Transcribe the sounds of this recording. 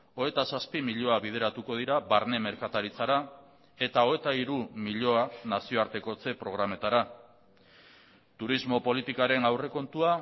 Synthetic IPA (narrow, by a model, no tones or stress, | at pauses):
o̞e̞t̪asaspimiʎo̞aβið̞e̞ɾat̪uko̞ð̞iɾaβaɾne̞me̞ɾkat̪aɾit͡saɾa | e̞t̪ao̞e̞t̪aiɾumiʎo̞anasio̞aɾt̪e̞ko̞t͡se̞pɾo̞ɣ̞ɾame̞t̪aɾa | t̪uɾizmo̞po̞lit̪ikaɾe̞nawre̞ko̞nt̪ua